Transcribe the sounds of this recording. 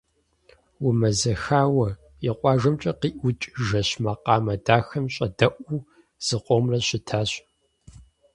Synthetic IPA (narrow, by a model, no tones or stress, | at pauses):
wʊmɐzɐxaːwɐ | jiqʷʼɑːʒɐmt͡ʃʼɐqiːʔʷʊt͡ʃʼʒɐɕmɐqɑːmɐdaːxɐmɕʼɐdɐʔʷu | z̥ɨqʷʼomrɐɕɪtʰaːɕ